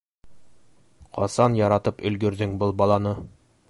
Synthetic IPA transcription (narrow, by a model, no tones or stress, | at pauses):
qʰɒ̰sɑnjɒɾɑt̪ɤpɵ̆lɡɵ̆ɾd̪ɘŋbɤlˠbɒlˠɑnɤ